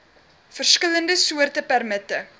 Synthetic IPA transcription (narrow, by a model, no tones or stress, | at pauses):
fərskələndəsuərtəpærmətə